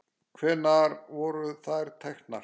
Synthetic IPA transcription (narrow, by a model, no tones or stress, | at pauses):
kʰvɛːnaɾvɔɾʏθajɾ̥t̪ʰɛxt̪naɾ